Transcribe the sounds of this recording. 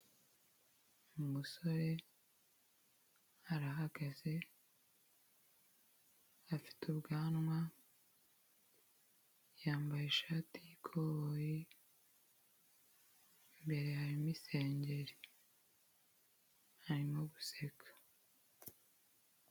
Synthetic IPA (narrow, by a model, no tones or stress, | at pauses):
mumuso̞ɾe̞ | aɾaɦaɡ̥aze̞ | afi̥tubɡaːnŋwa | jaːmbajeʃaːtijikʰoβoji | mbe̞ɾe̞haɾimise̞ːɲɟe̞ɾi | haɾimoβuse̞kʰḁ